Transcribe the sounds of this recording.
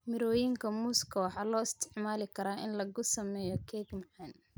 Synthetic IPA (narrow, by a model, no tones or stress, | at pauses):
mɪɾɔːjɪŋkʰɐmʊskʰɐwɑħɑːlɔːɪst̪ʰɪ̥ʕmaːlɪkʰɐɾaːʔɪnlɐɣʊsɐmɛːjɔkʰɛːɡmɪʕɛn